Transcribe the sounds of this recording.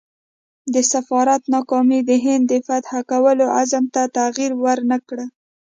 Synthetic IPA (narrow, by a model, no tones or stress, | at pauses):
d̪əsafɑɾat̪nɑkɑmid̪əɦɪnd̪ːəfat̪hakawəloazamt̪at̪aɣiɾwəɾnakɽə